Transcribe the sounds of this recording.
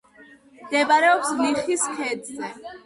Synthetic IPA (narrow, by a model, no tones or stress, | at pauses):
md̪ɛbaɾɛɔpsliχiskʰɛd̪zɛ